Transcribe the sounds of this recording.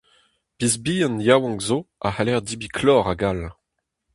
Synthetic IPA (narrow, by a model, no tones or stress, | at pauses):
pizbiːɑ̃njawɑ̃ŋkzoa̰halɛʁd̪ibikʰlɔːʁaɡal